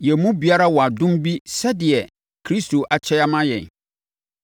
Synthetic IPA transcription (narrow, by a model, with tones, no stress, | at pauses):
jɛ˨mũ˦bi˨˦a˦ɾa˦wɔ˨a˨dʊ̃˦mbi˦sɛ˦dɪ˨ɛ˨ | kʰɾi˦stʰo˨ʔa˨t͡ɕʰɛ˦a˦mã˦jɛ̰̃˨n